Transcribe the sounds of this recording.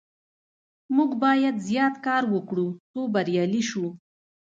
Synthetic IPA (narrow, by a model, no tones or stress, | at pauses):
muɡbɑjad̪zjɑt̪kɑɾwəkɽut͡sobaɾjɑliʃu